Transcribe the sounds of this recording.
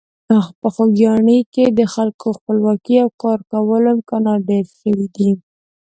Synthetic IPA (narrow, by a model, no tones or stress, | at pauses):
axpəxoɡjɑɳiked̪əxalkoxpəlwɑkiawkɑɾkawəlamkɑnɑɖeɾʃəwid̪i